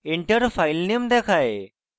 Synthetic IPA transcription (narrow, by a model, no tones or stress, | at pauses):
iɳʈəɾfajlnimd̪ɛkʰaje